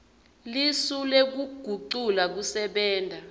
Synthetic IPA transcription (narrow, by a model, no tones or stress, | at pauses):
lisulek̬uɡ̥ʱuǀulak̬usɛɓɛːndʱa